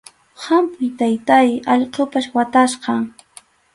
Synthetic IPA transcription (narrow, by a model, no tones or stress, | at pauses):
hɑmpʊjt̪ajt̪ajɑʎqopaswat̪asqɑŋ